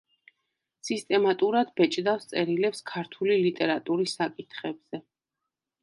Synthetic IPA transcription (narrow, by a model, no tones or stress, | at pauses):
sist̪ʼɛmat̪ʼuɾad̪bɛt͡ʃʼd̪afst̪sʼɛɾilɛpskʰaɾt̪ʰulilit̪ʼɛɾat̪ʼuɾisakʼit̪ʰχɛbz̥ɛ